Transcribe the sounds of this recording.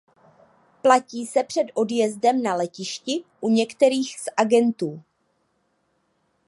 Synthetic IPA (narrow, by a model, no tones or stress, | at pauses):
placiːsɛpr̝̥ɛdʔo̞djɛzdɛmnalɛcɪʃcɪʔuɲɛkt̪ɛɾiːxsʔaɡɛnt̪uː